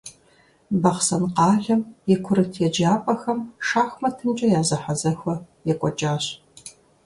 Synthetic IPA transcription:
bɐχsɐnqɑːɮɐmjɛkʷʰʊɾɨtʰjɛd͡ʒaːpʼɐxɐmʂaːxmɐtʰɨnt͡ʃʼɐjaːzɐħazɐxʷɐ | jɛkʷʼɔt͡ʃʼaːɕ

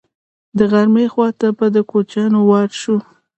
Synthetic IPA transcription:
d̪əɣaɾmexwɑt̪apad̪əkot͡ʃɑnowɑɾʃu

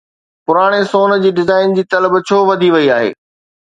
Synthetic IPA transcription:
pʊɾaːɽ̃esoːn̆d͡ʑiːɖɪzaːɪnd͡ʑiːt̪ɐləbt͡ɕʰoːʋɐd̪ʱiʋɐiaːɦḛː

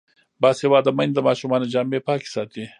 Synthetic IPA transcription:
bɑshewɑd̪əmand̪d̪əmɑʃumɑnod͡ʒambepɑke̥sɑt̪i

